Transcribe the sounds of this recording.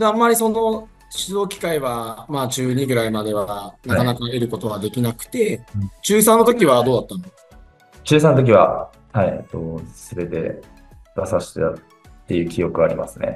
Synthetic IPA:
d̪eamːaɾʲiso̞no̞ | ɕizo̞ːkʲi̥kaiβamaːt͡ɕɨːɲ̟iɡɯ̟ɾaimad̪e̞βanakanakaeɾɯ̟ko̞t̪o̞βad̪e̞kʲinakɯ̟̥t̪e̞t͡ɕɨːs̬ãnːo̞t̪o̞kʲiβ̞ad̪o̞ːd̪at̪ːãnd̪eka | t͡ɕɨːsãnot̪̬ok̬ʲiβa̰ | hait̪osɨbe̞t̪e̞̰ | d̪asaɕi̥t̪a̰ | t̪ːe̞jɯ̟ːkʲijo̞kɯ̟aɾʲḭma̰sɨne̞̰

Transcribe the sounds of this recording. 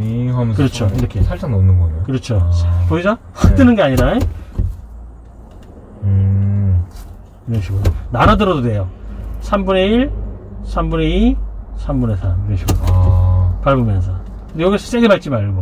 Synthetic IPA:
ɦamkɯɾʌt͡ɕʰoiɾʌkʰesʰaɭsʰaŋnʌmnɯnɡʌnejokɯɾʌt͡ɕʰopoisʰʌ | hadɯnɯnɡeaɲiɾae | ɾeɕʰiɡoonaɾadɯɾʌdodwe̞josʰambune̞iɭsʰambuneisʰambunesʰamneɕʰiɡo | paɭbomjʌns̬ʰʌ | kɯndejʌɡisʰʌs͈eɡebaɭt͡ɕ͈imaɭɡo

